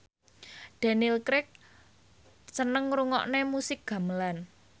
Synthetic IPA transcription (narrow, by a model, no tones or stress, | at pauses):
d̪̥a̤nilkɾɪk̚ | sənəŋɾuŋɔ̰ʔnemusɪk̚ɡ̥ä̤məlan